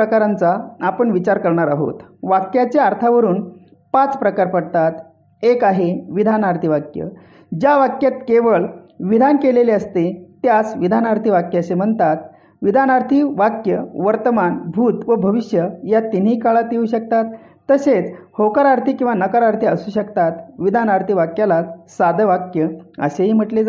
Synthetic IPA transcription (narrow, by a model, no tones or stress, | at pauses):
əkaɾant͡saapəɳʋit͡ɕaɾkəɾɳaɾaɦo̰t̪ʋakjat͡ɕjaaɾt̪ʰaʋəɾuːn | pat͡spɾəkaɾpəɽt̪at̪ | ekaɦeʋid̪ʱanaɾt̪ʰiʋakjə̰ | d͡ʑjaʋakjat̪̚keʋəɭʋid̪ʱankeleleəst̪et̪jat͡sʋid̪ʱanaɾt̪ʰiʋakjəəɕem̤əɳt̪at̪ | ʋid̪ʱanaɾt̪ʰiʋakjəʋəɾt̪əmanbʱuːt̪ʋəbʱəʋiɕjəjat̪in̤ikaɭat̪euːɕək̚t̪at̪ː | əset͡shokəɾaɾt̪ʰikĩw̃ʋanəkaɾaɾt̪ʰiəsuːɕəkt̪at̪ʋid̪ʱanaɾt̪ʰiʋakjalasad̪ʱəʋakjəə̰seɦiːm̤əʈled͡z